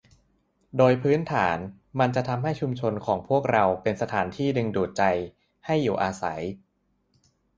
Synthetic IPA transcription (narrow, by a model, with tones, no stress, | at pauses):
doː˧jpʰɯː˦˥nt̪ʰaː˩˦n | ma˧nt͡ɕa˨˩ʔt̪ʰa˧mɦa˥˩jt͡ɕʰu˧mt͡ɕʰo˧nkʰɔː˩˦ŋpʰu˥˩ək̚ɾa˧wpe˧nsa˧t̪ʰaː˩˦nt̪ʰiː˥˩dɯ˧ŋduː˨˩t̪̚t͡ɕa˧j | ha˥˩jːuː˨˩ʔaː˧sa̰˩˦j